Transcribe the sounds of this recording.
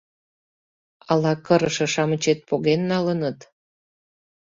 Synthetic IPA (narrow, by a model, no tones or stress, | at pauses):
ɑlɑkəɾə̆ʃɤ̆ʃɑmət͡ɕet̪̚poɣenːɑlənət̪